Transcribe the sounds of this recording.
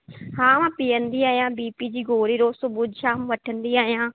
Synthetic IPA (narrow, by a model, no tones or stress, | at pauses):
hãːmãːpɪjənd̪iːaːjãːbiːpiːd͡ʒiːɡoːɾiːɾoːsʊbuːd̪ʃaːmʋəʈʰənd̪iːaːjãː